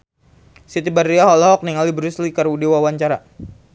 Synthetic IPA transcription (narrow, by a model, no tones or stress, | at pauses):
sit̪ibarːiaɦɔlaɦɔk̚niŋalibɾuslikaɾudewawaɲt͡ʃaɾa